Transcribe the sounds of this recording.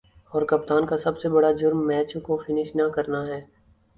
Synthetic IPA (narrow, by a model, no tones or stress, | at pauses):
ɔːɾkɐp̚t̪aːnkasɐbsebɐɽad͡ʒʊɾmːɛːt͡ʃõkofɪnɪʃnakɐɾnaɦɛː